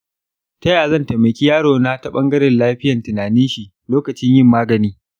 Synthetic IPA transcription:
tɐ˦jaː˨zɐ˦˨nteː˨mɐ˨kʲi˦jaː˦ɽoː˨na˦tɐ˦ɓɐ˦ŋɡɐ˦ɽɪ˨nlaː˦ɸɪ˦jɐ˨ntɪ˨naː˨nɪ˦nʃi˨ | loː˦kɐ˨t͡ʃɪ˦ɲjɪ˦mːaː˦ɡɐ˨niː˦

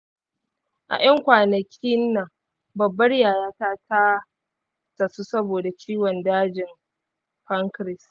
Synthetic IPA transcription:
ʔa̰˨j̰ɐ˦ŋkʷaː˨nɐ˨kʲʰi˦nːɐ˨ŋ | bɐ˨bːɐ˦rjaː˨jaː˦taː˦tʰa˦ | tɐ˨su˦sɐ˦boː˨da˨t͡ʃʰʲiː˦wɔ˨ndaː˦d͡ʒɪ˨m | ɸɐ˦ŋkɾɪ˨s

